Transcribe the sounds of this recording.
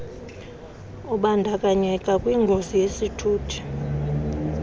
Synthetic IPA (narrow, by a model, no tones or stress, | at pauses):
uɓandʱakʼaɲɛkʼakʼwiːŋɡʱozijesitʰuːtʰi̥